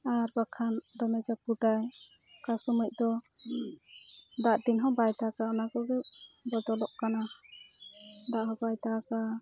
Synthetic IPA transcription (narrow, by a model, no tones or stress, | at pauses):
aɾbakʰand̪ɔmɛd͡ʒapud̪aj | kasumuc̚ˀd̪ɔ | d̪aʔd̪inɦɔ̃bajt̪akaɔnakɔɡɛbɔd̪ɔlɔʔkana | d̪aʔɦɔ̃bajt̪aka